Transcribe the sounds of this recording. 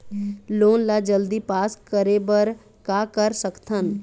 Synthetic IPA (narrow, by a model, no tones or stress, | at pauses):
loːnlad͡ʒəld̪ipaːskəɾebəɾ | kaːkəɾsəkt̪ʰən